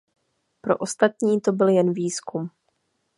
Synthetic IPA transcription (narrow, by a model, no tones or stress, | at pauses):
pɾo̞̰ʔo̞st̪at̪ɲiːt̪o̞bɪljɛnviːskum